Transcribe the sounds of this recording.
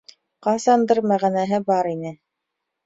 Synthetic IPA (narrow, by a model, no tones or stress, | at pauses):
qɑsɑnd̪ɤɾmæʁænæɦɘbɑɾinɘ